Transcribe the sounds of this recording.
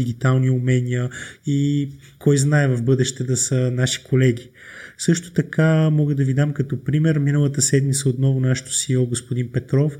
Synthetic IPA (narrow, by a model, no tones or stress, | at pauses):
iɡʲit̪alˠniumɛnʲijəi | kɔjznaɛvɐvbɤd̪ɛʃt̪ɛd̪ɐsənaʃi̥kolɛɡ̟ʲi | sɤʃt̪o̥t̪ɐkamɔɡəd̪ɐvid̪amkɐt̪ɔpɾimɛɾminəlˠət̪əsɛd̪mit̪səot̪nɔvʊnaʃɛ̥t̪o̥siɔɡospod̪inpɛt̪ɾɔf